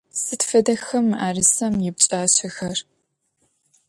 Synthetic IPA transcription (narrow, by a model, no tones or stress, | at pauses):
sɨtfɐdɐxɐmaːrɨsɐmjɪb̚t͡ʃʼaːɕɐxɐr